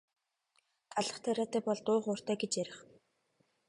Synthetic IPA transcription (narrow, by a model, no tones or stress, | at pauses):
t̪aɮə̆χt̪ʰæɾʲaːt̪ʰæːpɔɮt̪ʊːχʊːr̥t̪æːɡet͡ɕjæɾʲɪ̆χ